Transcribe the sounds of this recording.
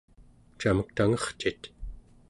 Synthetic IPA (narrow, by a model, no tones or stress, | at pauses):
t͡ʃamək̚t̪aŋʌχt͡ʃit̪